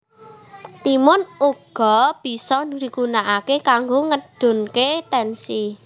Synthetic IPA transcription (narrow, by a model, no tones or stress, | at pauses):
t̪imʊnuɡ̥ɔ̤b̥i̤sɔɾikunaʔakekaŋɡoŋəd̥ʊ̤nket̪ɛnsi